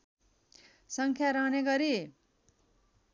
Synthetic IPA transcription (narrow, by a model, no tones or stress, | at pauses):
sʌŋkʰjaɾʌɦneɡʌɾi